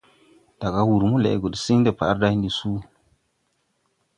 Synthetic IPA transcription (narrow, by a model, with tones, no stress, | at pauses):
d̥a˨ɡa˦wu˨ɾmu˦lḛ˨ɡo˨ɗsi˦ŋ˦de˨pa˨˦ɾda˦ndi˨su˦